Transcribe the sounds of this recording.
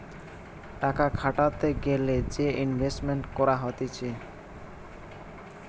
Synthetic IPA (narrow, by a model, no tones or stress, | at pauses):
ʈakakʰaʈat̪eɡeled͡ʑeʔinbʱesʈmeɳʈkɔɾaɦot̪et͡ɕʰe